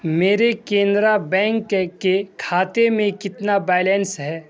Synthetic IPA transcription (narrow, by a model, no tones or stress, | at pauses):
meːɾekẽːnd̪ɾabɛ̃ːŋkkekʰaːt̪emẽkɪt̪nabɛːjlɛnsɦɛː